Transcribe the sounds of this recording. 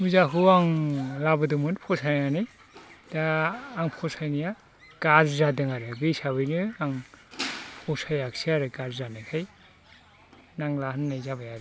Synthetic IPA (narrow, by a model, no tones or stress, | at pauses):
muzaɦɯaŋlabɯdɯmɯnpʰɔsajŋanɯj | d̥aːŋpʰɔsajnija | ɡ̥azzadɯŋaɾɯbisabɯjnɯaŋ | pʰɔsajaksiaɾɯɡazzanɯkʰaj | naŋlaɦɯnːajzabajaɾɯ